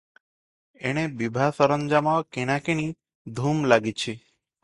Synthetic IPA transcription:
eɽ̃ebibʱasəɾəɲd͡ʒamãkeɽ̃ãkini | d̪ʱumlaɡit͡ʃʰi

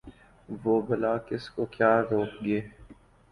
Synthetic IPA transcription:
ʋoːbɐlaːkɪskokjaːɾoːkɡeː

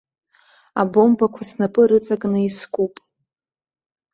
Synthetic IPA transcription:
abo̞mbakʷʰasnapʼɨɾɨt͡sʼakʼnɨiskʷʼupʼ

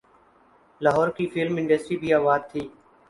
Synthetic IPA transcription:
laːɦɔːɾkiːfɪlmɪɳɖəsʈɾiːbʱiːaːʋaːd̪̚t̪ʰiː

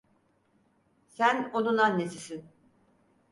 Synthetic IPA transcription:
sænonunanːesisin

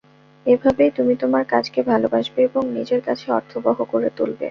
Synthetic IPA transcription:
ebʱabejt̪umit̪omaɾkad͡ʑkebʱalobaʃbeeboŋnid͡ʑeɾkat͡ɕʰeɔ̰ɾt̪ʰoboɦokoɾet̪ulbḛ

